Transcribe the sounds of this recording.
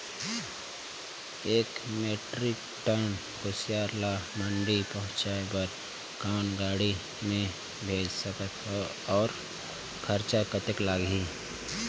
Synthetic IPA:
eːkmeːʈɾɪk̚ | ʈən | kosjaːɾlamə̃ɳɖipəɦʊ̃t͡ʃaːebəɾ | kaːnɡaːɽi | mẽ | bʱeːd͡ʒsəkət̪ɦo | ɔːɾ | kʰəɾt͡ʃakət̪ɪklaːɡiː

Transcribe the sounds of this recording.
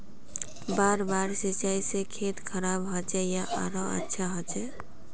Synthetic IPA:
baɾbaɾsit͡ʃajsekʰet̪kʰəɾabɦot͡ʃɛjaʔa̰ɾɔə̰tːʃʰaɦot͡ʃɛ

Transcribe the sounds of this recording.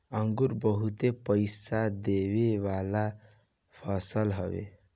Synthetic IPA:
əŋɡuɾbəɦut̪epəjsad̪ebebala | pʰʌsəlɦɔ̰bḛ

